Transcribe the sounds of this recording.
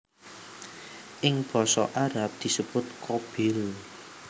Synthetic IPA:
ʔɪŋb̥ɔ̤sɔ̰ʔaɾap̚d̪̥i̤səb̥ʊt̪̚kʰob̥ɪl

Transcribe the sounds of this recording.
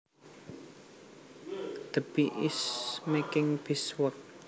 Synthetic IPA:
d̪̥əb̥iʔɪsmekɪŋb̥iswək̚

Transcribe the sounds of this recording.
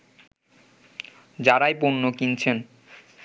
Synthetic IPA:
d͡ʑaɾajponːokint͡ɕʰen

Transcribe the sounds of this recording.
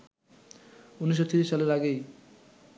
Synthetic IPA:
uniʃ̬ːot̪iɾiʃːaleɾaɡej

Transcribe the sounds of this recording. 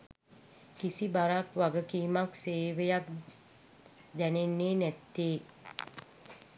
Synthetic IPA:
kisibaɾakʋaɡəkiːmakseːʋejak̚ | d̪ɛnenːeːnɛt̪ːeː

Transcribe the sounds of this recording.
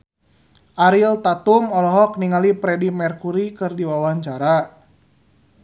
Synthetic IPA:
ʔaɾilt̪at̪umɔlɔɦɔk̚niŋalipɾɛdimɛrkuɾikɨrdiwawaɲt͡ʃaɾa

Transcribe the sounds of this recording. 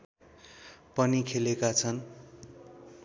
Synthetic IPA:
pʌnikʰelekat͡sʰʌn

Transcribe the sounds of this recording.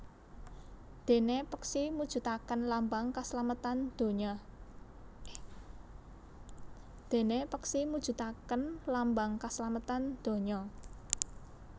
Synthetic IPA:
d̪̥e̤nepəksimud̥ʒ̥ṳt̪akənlambaŋkaslamət̪and̪̥o̤ɲɔ | d̪̥e̤nepəksimud̥ʒ̥ṳt̪akənlambaŋkaslamət̪and̪̥o̤ɲɔ

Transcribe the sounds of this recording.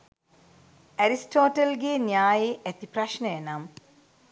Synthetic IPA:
æɾisʈoːʈɐlɡeːnijaːjeʔæt̪ipraʃnəjenam

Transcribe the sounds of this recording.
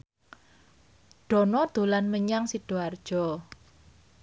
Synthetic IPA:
ɖ̥ɔ̤nɔd̪̥o̤lanməɲaŋsiɖ̥oard̥ʒ̥ɔ̤

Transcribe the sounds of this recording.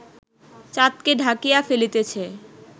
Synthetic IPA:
t͡ɕat̪keɖʱakijafelit̪et͡ɕʰe

